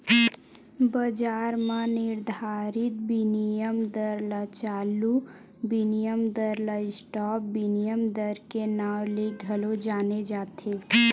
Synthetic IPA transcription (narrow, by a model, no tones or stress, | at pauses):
bəd͡ʒaːɾmãnɪɾd̪ʱaːɾɪt̪̚binijəmd̪əɾlat͡ʃaːlu | binijəmd̪əɾlaɪsʈɔːp̚binijəmd̪əɾkenaːwleɡʱɐlod͡ʒaːned͡ʒaːt̪ʰeː